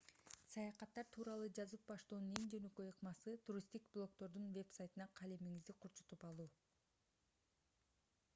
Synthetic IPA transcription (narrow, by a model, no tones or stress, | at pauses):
sɑjɑqɑt̪ːɑɾt̪ʰuːɾɑlˠud͡ʒɑzɯp̚bɑʃt̪uːnuniŋd͡ʒønø̞kø̞jɯqmɑsɯt̪ʰuɾʲist̪ikblˠo̞kt̪o̞ɾd̪unve̞psajt̪ɯnɑqʰɑlemiŋizd̪iqʰoɾt͡ʃu̥t̪upɑlˠuː